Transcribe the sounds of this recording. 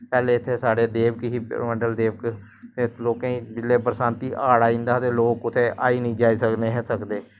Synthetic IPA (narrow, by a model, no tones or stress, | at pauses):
pɛːleːɪt̪ʰːeːsaːɽeːd̪eːʋkɦiːməɳɖəld̪eːʋək | t̪eːloːkãːiːbɪlːeːpəɾsãːnt̪iːʔaːɽaːĩːnd̪aːt̪eːloːkʊt̪ʰeːʔa̰ːiːnəĩːd͡ʒaːiːsəkneːɦɛ̃ːsəkd̪eː